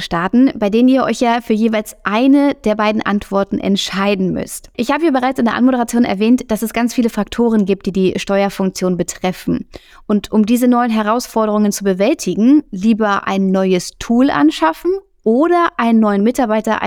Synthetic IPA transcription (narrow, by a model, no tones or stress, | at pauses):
ʃtaːtn̩b̥aɪdeːnəniːɐʔɔ̰ʏçjaːfyːɐjeːvaɪlsʔaɪnəd̥eːɐbaɪdn̩ʔa̰ntv̥ɔɐtn̩ʔɛ̰ntʃaɪdn̩mʏ̰stʔɪçhaːbəjaːbəʁaɪt͡sɪndeːɐʔa̰nmoɾəʁat͡sjoːnɛ̰ɐvɛːntd̥asɛsɡ̥ant͡sfiːləfʁ̥ak̚tʰoːʁ̞ənɡiːp̚t̚d̥iːdiːʃtɔʏɐfʊŋk̚t͡sjoːnbətʁ̥ɛfn̩ | ʔʊntʰʔʊmdiːzənɔʏənɦɛʁaʊsfɔɐɾəʁ̞ʊŋənt͡subəvɛltʰɪɡŋ̩liːbɐʔa̰ɪnːɔʏəstʰuːlʔa̰nʃafn̩ | ʔoːɾɐʔaɪnənːɔʏənmɪtaɐbaɪtɐ̰